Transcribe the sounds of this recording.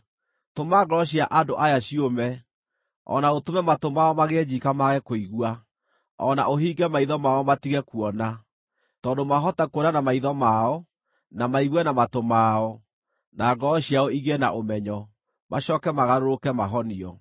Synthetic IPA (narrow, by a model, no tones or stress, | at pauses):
tomaɡɔɔɕiaʔadoʔajaɕiomɛ | ɔ̰naotomɛmatomaɔmaɣeːd͡ʑikamaɣɛkoiɣwa | ɔ̰na̰ʔoɦiːɡɛmaiðɔmaɔmatiɣɛkuɔna | tɔːndomaɦɔtakwɔnanamaiðɔmaɔ | namaiɣwɛnamatomaɔ | naɡɔɕiaɔiɣena̰ʔomɛɲɔ | maɕɔːkɛmaɣaɾoɾokɛmaɦɔniɔ